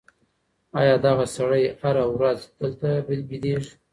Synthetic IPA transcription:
ɑjɑd̪ɑɣasaɽəjhaɾawɾazd̪̥əlt̪abɪlbid̪eʐ

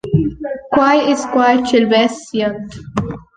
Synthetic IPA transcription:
kwajɪzkwajt͡ʃɪlbɛsijə̃nt̪

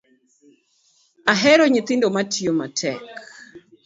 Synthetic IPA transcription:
aɦɛɾɔɲɪt̪ɪndomatʰiomatʰɛk

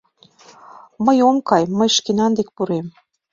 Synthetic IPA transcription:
məjomkɑjməjʃkenɑnd̪ek̚puɾem

